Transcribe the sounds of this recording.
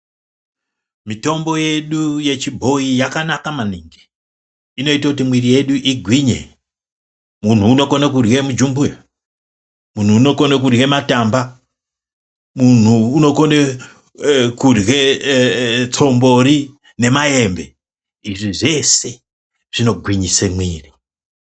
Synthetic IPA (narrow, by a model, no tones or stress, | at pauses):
mito̞mbo̞je̞ɗuje̞t͡ʃibʱo̞ijakanakamaniːŋɡi | ino̞itakut̬imwirije̞ɗuʔiɡʱwiɲḛ | mun̤uːno̞konekurɣemud͡ʒumbuja | mun̤uːno̞ko̞nek̬urɣe̞mataːmba | mun̤uːno̞kone | kurwe | t͡so̞mbo̞ɾi | ne̞maje̞mbe̞ | iʐiʐe̞se̞ | ʐ̥ino̞ɡʱwiɲisemwiːri